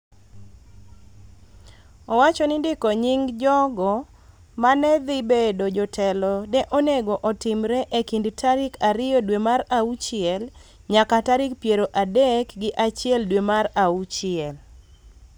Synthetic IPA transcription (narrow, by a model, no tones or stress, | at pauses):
ɔwat͡ʃɔnɪndɪkoɲɪŋd͡ʒɔɡɔ | manɛd̪ibedod͡ʒɔtʰɛlɔnɛʔoneɡoʔɔtɪmɾɛʔekindtʰaɾɪkaɾɪjɔdwemaɾaut͡ʃɪɛl | ɲakataɾɪkpjeɾoʔadekɡɪʔat͡ʃɪɛldwemaraut͡ʃɪɛl